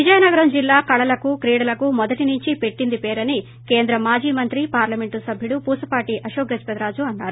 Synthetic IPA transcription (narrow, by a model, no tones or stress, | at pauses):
ʋid͡ʒɐjɐnɐɡɐɾɐmd͡ʒilːaːkɐɽɐlɐkukɾiːɽɐlɐkumɔd̪ɐʈinuɲt͡ʃipe̞ʈːind̪ipeːɾɐni | keːnd̪ɾɐmaːd͡ʒiːmɐnt̪ɾipaːɾlɐme̞ɳʈusɐbʱjuɽupuːsɐpaːʈiːʔɐʃoːɡɾɐd͡ʒpɐt̪ɾaːd͡ʒuɐnːaːɾu